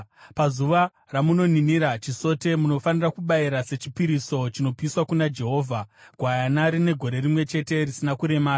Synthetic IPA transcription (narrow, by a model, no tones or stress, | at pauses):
pazuʋa | ramuno̞niniɾat͡ʃiso̞te̞muno̞fanirakuɓaiɾase̞t͡ʃipiɾiso̞t͡ʃino̞piiswakunad͡ʒe̞ɦo̞ːvʱaɡʱwajanaɾine̞ɡʱo̞ɾe̞rimwe̞t͡ʃe̞te̞risinakuɾe̞maː